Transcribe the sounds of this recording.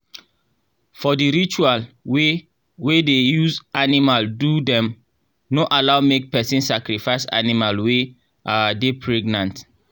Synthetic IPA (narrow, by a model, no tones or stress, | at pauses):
fɔdiɾit͡ʃualwe | wedejuzanimaldudɛ̃m | noʔalaʊmek̚pɛsĩnsakɾifaɪsa̰nimalwe | adepʰɹɛɡnãnt